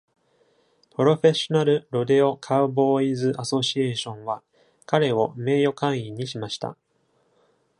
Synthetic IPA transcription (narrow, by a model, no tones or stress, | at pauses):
pɯ̟ɾo̞ɸe̞ɕo̞naɾɯ̟ɾo̞d̪e̞o̞kʰaɯ̟bo̞ːizɨʔaso̞ɕie̞ːɕõ̞ɰ̃βa | kaɾe̞o̞me̞ːjo̞kãɰ̃iɲ̟iɕimaɕi̥t̪ʰa̰